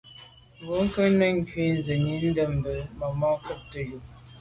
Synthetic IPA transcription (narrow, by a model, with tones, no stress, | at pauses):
wo˨˦ŋ̩˦kə˦nə˦ŋ˦kɥi˦n˦zə˨ɲi˦n̩˦də˦˨m˨bə˨mə˨mɔ˦kə˦˨p̚tə˨ju˨